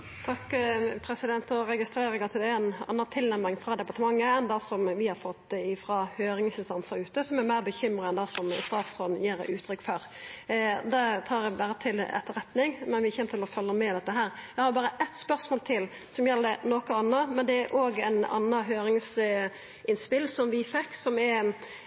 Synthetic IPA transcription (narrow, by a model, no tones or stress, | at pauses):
t̪ʰɑkːpʰɾɛsɪd̪ɛnt̪ɔɾɛɡɪst̪ɾeːɾɪŋɑt̪ʰɪld̪æænɑ̰nːɑt̪ʰɪlnæmːɪŋfɾɑːd̪ɛpɑɾt̪əmɑŋːəɛnd̪ɑsɔmʋɪhɑɾfɔt̪ːɪfɾɑhøːɾɪŋsɪnst̪ɑnsɑɾʉːt̪əsɔmæɾmæɪɾbəçʏmɾəɛnd̪ɑːsɔmst̪ɑːfsɔd̪njiːɾʉːt̪ʰːɾʏkːføɾ | d̪ɑt̪ʰɑːɾɛbæːɾət̪ʰɪlɛ̰t̪ːəɾɛt̪nɪŋmɛnʋɪçɛːmət̪ɪlɔfœlːəmɛd̪ɛt̪ːəɦæːɾæɪhɑːbɑːɾəʔɛt̪spœɾsmoːlt̪ʰɪl | sɔmjɛlːəd̪ɛnoːkəɑnːəmɛnd̪ɛæɾʔoːɡæ̰ɪnɑ̰nːɑɦøːɾɪŋs | ɪnspɪlːsɔmʋɪfɛkːsɔmɛɾ